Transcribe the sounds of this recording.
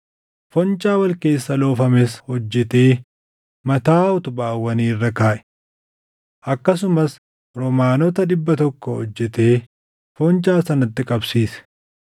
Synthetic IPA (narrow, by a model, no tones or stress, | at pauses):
fɔnt͡ʃʼaːwɐlke̞ːsːɐlo̞ːfɐmɛshɔd͡ʒːɛt̪e̞ː | mɐt̪aːʊt̪ʊbaːwːɐniːrːɐkaːʔɛ̥ | ʔɐkːɐs̬ʊmɐs | ɾɔmaːnɔt̪ɐᶑɪbːɐt̪ɔkːɔhɔd͡ʒːɛt̪e̞ː | fɔnt͡ʃaːsɐnɐt̪ːɪkʼɐbsiːsɛ̥